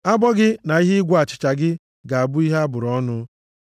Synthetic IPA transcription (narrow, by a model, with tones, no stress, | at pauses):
a˦bɔ˦ɡɪ˦na˨i˦ɦɪ˦ɪ˦ɡʷa˨t͡ʃɪ̥˨t͡ʃa˨ɡɪ˦ | ɡa˨a˨bʊ˦i˦ɦa˦bʊ˨ɾɔ˦nʊ˦